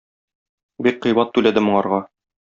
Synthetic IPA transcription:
bik̚qɤ̆jbɑt̪ːʉlæd̪ɘmŏɴɑɾʁɑ

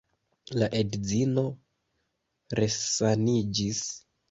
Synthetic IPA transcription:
laʔe̞dzino̞ | ɾe̞sanid͡ʒis

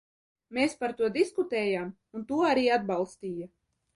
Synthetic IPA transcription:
meːspaɾt̪uɔd̪iskut̪ɛːjaːm | unt̪uɔaɾiːad̪̚balˠst̪iːja

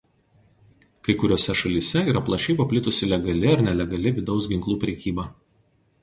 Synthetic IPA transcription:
kɐɪkʊɾʲoːsʲɛʃɐlʲisʲɛiːɾɐplˠɐʃʲiːbɐpʲlʲɪt̪ʊsʲɪlʲɛɡɐlʲɪɐɾnʲɛlʲɛɡɐlʲɪʋʲɪd̪ɒʊs̬ɡʲɪŋklˠuːpʲɾʲɛkʲiːbɑː

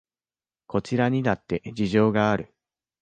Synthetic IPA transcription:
ko̞t͡ɕiɾaɲ̟inat̪ːe̞d͡ʑiʑo̞ːɡaːɾɯ̟

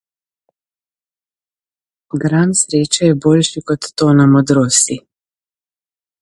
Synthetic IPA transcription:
ɡɾansɾeːt͡ʃɛjɛboːlʃikɔt̪ːoːnamɔd̪ɾoːsi

